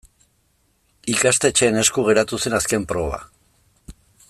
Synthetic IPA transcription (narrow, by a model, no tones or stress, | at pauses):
ikast̪e̞t͡ʃe̞ːne̞skuɣ̞e̞ɾat̪use̞naske̞mpɾo̞βa̰